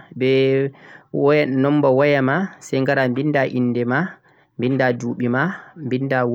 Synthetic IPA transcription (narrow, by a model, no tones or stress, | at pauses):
bɛ | wɔjɛnɔmbɔwɔjamasɛjŋɡaɾambindaʔinːdɛma | mbindaduːɓimambindaw